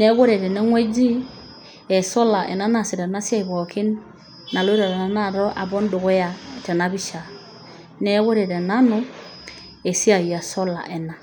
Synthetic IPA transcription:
ne˦ɡo˦ɾe˨ɾe˨nɛ˦ŋwe˦d͡ʒi˦ | e˨sɔ˦la˨ʔḛ˨na˦na˨si˨ɾe˨na˦sja˦i˨βɔ˨kʰi˦nː | a˨lɾa˨ɾe˨na˨na˦˨ɾɔ˦ʔa˨bɔ˦n˦du˨ɣo˦ja˨tɛ˨na˦βi˦ʃa˨ | ne˦ɡo˦ɾe˨ɾe˨na˦no˦ | e˨si˦a˨i˨a˨sɔ˦la̰˨ʔe˨na˨

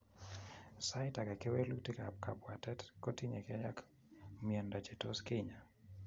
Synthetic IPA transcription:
sa˦ɪta˨kɛ˨ke˦we˦lu˦ti˦kap̚ka˨bwa˨tɛ˦tkɔ˦ti˦ɲḛ˨ka˦ja˦k | miɛ˨nda˨d͡ʒe˨to˦skɪ˦ɲa˨

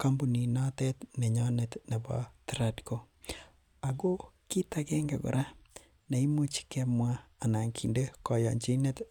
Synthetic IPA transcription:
ka˦mbo˨ni˨nɔ˦tɛ˦tnɛ˨ɲɔ˦ne˨tne˨bɔ̰˨tɾadko˨ | a˨ɡo˦ki˦ta˨kɛ˦ŋɡḛ˨ɡɔ̰˨ɾʔa˦ | ne˨i˦mu˦t͡ʃi̥˨kɛ˦mwaː˦˨na˨ŋkʰḭ˨nde˦kɔ˨jɔ̰˨ɲt͡ʃi˦ne˦t

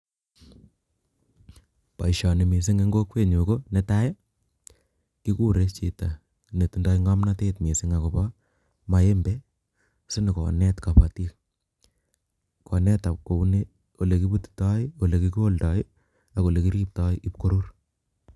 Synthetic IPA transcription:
pa̰˨iʃɔ˨nɪ˨mi˨s̬ɪ˦ŋe˦ŋɡo˦kwe˦ɲu˨konɛ˦ta˦je˦ | ki˦ku˦ɾe˦t͡ʃḭ˨ta˨ | ne˨tu˦ndɔ˦iŋa˦mna˦tetmi˨sɪ˦ŋa˨ko˨pɔ | ma˨e˦mbe˦ | sɪ˦nɪ˨kɔ̰˨nɛtka˨pa˨ti˦k | kɔ˨nɛ˦ta˨p̚ko˨u˦ne˦ | o˨le˨ki˦pu˦ti̥tɔ˦ɪ˦o˨le˨ki˦ko˦ldɔ˦ɪ | a˨ko˨le˨ki˦ɾi˦p̚tɔ˦ɪ˦ʔi˦p̚ko˦ɾu˦r

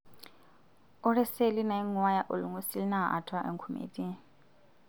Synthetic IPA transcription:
ʊ˦rɛ˦se˦li˦na˨i˦ŋwa˦ja˦ʔʊ˨lu˨ŋu˦si˦li˦na˦˨a̰˨ʔa̰˨tʰa˦ʔḛ˨ŋkʰu˦mḛːtʼi˦

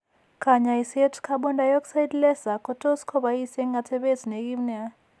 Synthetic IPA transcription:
kʰʼaɲai˨se˦tʰkʰa˦ɓɔ˦nda˨jɔ˦kʼsa˦jdlɛ˦za˨kʰʼɔ˦tʰʼo˦skʰɔ˦ɓa˨i˦se˦ŋɡa˨tʰɛ˦ɓe˦zi˨ne˨k̬ʼi˦mnɛa˦

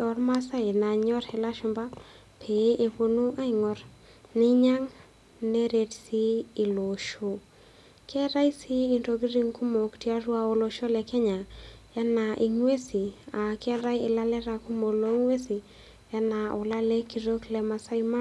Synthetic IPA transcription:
ɔ˨ɾma˦sa˦ɪ˨na˨ɲɔ˦ɾɪ˨la˦ʃʊ˨mba˦ | pʰe˨˦ʔe˨po˦nu˦ʔa˦ɪ˨ŋɔ˨ɾ | nɪ˦ɲa˦ŋ | ne˦ɾe˨tsiː˦˨lo˨ʃo˦˨ | kʰɛ˦ɾa˦jsi˦i˨nto˨ɡi˦ɾi˦ŋku˦mo˨kti˦a˦ɾwa˨o˨lo˨ʃo˦lɛ˨kɛ˦ɲa˨ | ɛ˦na˨ʔi˨ŋwe˦si˨a˨kɛ˦ɾa˦jɪ˨la˦lɛ˦ɾa˨ku˦mo˨lo˦ŋwe˦si˨ | ɛ˦na˨ʊ˨la˦lɛ˦ki˨ɾo˦klɛ˨˦ma˨sa˦i˦ma˦

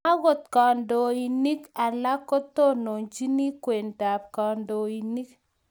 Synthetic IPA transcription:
a˦ɣo˨t̪̚kɔ˨ndo˨i˨ni˦ka˨la˦ko˦t̪o˦no˨nd͡ʒi˦ni˦kwe˨nda˨p̚kɔ˨ndo˨i˨ni˦k

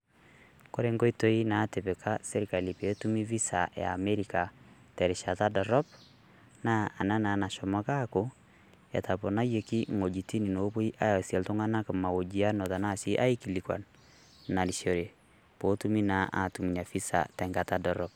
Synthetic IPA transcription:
ko˦ɾe˦ŋɡo˦i˦to˦i˦na˨˦te˨pɛ˨kʰa˦se˦ɾi˨ka˨li˨pe˨˦tu˦mi˦vi˦sa̰˨ja̰ː˨me˦ɾika˨ | tɛ˨ɾi˨ʃa˨ta˦dɔ˨ɾɔ˦b̚ | naː˦˨na˦na˨˦na˨ʃɔ˨ma˦ka˦ko˦ | ja̰˨tʰa˨pɔ˨na˦je˨ki˦ŋo˨d͡ʒi˨ti˦ni˨no˨˦bo˦i˦ʔa˦ja˨sjɛ˨lto˦ŋa˦na˦ka˨ma˨o˨d͡ʒi˨a˦nɔ˨ta˨na˦˨si˦ʔa˦i˦ki˨li˨kwa̰˨n | na˨li˨ʃo˨ɾe˨ | po˨˦tu˦mi˦na˨ʔa̰˨tu˨mi˨na˨fi˦sa̰˨tɛ˨ŋɡa˨ta˦dɔ˨ɾɔ˦p̚

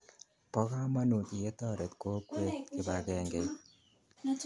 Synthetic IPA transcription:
pɔ˦ka˦ma˦nu˨ki˨je˦tɔ˦˨ɾɛ˨t̪ko˦kwe˦tkɪ˨ba˨kɛ˦ŋɡe˨

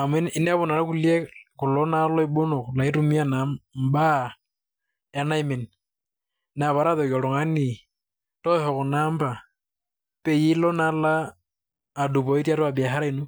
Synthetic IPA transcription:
a˨mwɛ˦i˦nɛ˦a˦βɔ˨na˨ɾa˦ku˦lie˦ku˨lɔ˦na˦lɔ˦i˦ɓo˦no˨kla˨i˦tu˦mi˦a˨na˨m˨ba˦ | ɛ˨˦na˦i˨˦me˨ni˨ | n˨a˨βa˨ɾa˦ðɔ˨kjɔ˨ɾo˨ŋa˦ni˨ | tɔ˦hɔ˨ku˨na˦mba˨ | pe˨ji˦lɔ˦na˦laː˦˨ | du˨βɔ˨i˦ti˦a˦to˦a˨bi˨a˨ɦa˦ɾa˦i˦nu˦

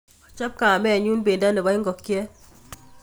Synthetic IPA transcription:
ɔ˨t͡ʃa˦p̚ka˨a˨mɛ˦a˨ɲu˦nbe˨nda˦nɛ˨ba˦ɪ˦ŋɡɔ˨kjɛ˦

